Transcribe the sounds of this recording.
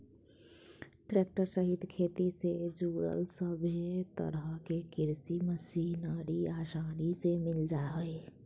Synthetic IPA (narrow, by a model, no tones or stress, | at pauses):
ʈɾek̚ʈəɾsəɦit̪kʰet̪ised͡ʒuɾə̰lsəbʱet̪ə̰ɾəɦəkekiɾsiməsinaɾiasaɽisemild͡ʒaɦəj